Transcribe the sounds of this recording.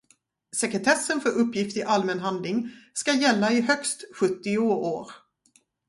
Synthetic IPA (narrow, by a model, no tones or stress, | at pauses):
sɛkɾɛt̪ʰɛsːənfœɾɵpːjɪft̪ɪʔalmɛnɦand̪lɪŋskajɛlːaɪɦœkst̪ɧɵt̪ːɪʊoːɾ